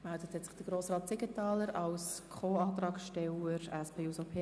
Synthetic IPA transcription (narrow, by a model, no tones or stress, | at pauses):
mældət̪hɛtsɪ̥χd̥əɾɡɾoːsɾɑːt̚sɪɡətɑːləɾɑwskʰχoːɑːt̪ɾɑːkʃtɛwəɾɛspʰeːusopʰe